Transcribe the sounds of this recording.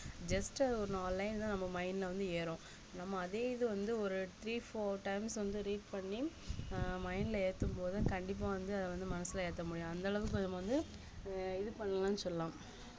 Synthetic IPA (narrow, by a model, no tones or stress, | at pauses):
d͡ʒɐsʈɐðɔɾɯnaːlːɐɪnt̪ãːnɐmːɐmɐɪnlɐʋɐnd̪ɯeːɾõː | nɐmːɐːðeːɪðɯʋɐnd̪ɯɔɾɯt̪ɾiːfoːʈɐɪmsʋɐnd̪ɯɾiːʈ̚pɐɳːi | mɐɪnɪleːt̪ːɯmpoːðakɐɳɖɪp̬ːaːʋɐnd̪ɯɐðɛʋɐnd̪ɯmɐnɐsːɪleːɾt̪ːɐmʊɽɪjõɐnd̪ɐːɭɐʋɯkːɔnmɐʋɐnd̪ɯ | ɪðɯpɐɳːɐlãːnːɯsɔlːlãːm